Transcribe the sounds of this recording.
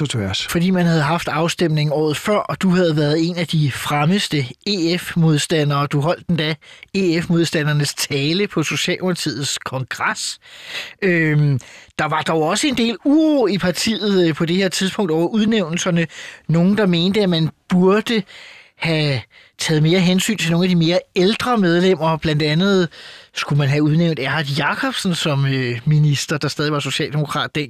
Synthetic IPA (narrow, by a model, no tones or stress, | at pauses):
ɒæsfɒ̽d̥ḭːmænhæð̞̩ˠɦɑ̈fd̥ɑ̈ʊsd̥emne̝ŋɒ̰ːð̩ˠfɶɐ̰d̥uɦæð̞̩ˠʋæɐð̩ˠe̝næd̥ifʁaməsd̥əe̝efmo̝ð̞ˠsd̥æn̰ɐːd̥uɦɒ̽l̰d̥end̥æe̝efmo̝ð̞ˠsd̥ænɐnəst͡sʰɛːləpʰɒ̽so̝ɕɛ̰ːlopʰɑt͡sʰḭð̩ˠskʰɒ̽ŋɡ̥ʁas | ø | d̥ɑ̈ʋɑ̈d̥ɒʊɒ̽səe̝nd̥e̝̰ːluːʁoipʰɑ̈t͡sʰḭːð̞̩ˠpʰɒ̽d̥e̝heɐ̰t͡sʰiðˠsb̥ʰɔ̽ŋ̰d̥ɒʊ̰ɐʔuðˠneʊ̰nl̩sɐnəno̝ːn̩d̥ɑ̈me̝ːnd̥əæmænb̥uɐd̥əhæ | t͡sʰɛ̰ːð̞̩ˠme̝ːɐɦensy̰ːnt͡sʰe̝lno̝ːnædime̝ːɐeld̥ʁɐmeð̞ˠlem̰ɐb̥læn̰d̥ænð̞̩ˠsɡ̥umænɦæuð̞ˠneʊnd̥æɐhæðˠjɑ̈kʰɒ̽b̥sn̩sɒ̽møminisd̥ɐd̥ɑ̈sd̥ɛːðˠiʋɑ̈so̝ɕɛ̰ːld̥e̝mo̝kʰʁɑ̰̈ːd̥ːen